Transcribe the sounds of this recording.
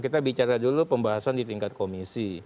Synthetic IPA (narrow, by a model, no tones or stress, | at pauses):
kit̪abit͡ʃaɾadulupəmbaɦasandit̪iŋkat̪̚komisi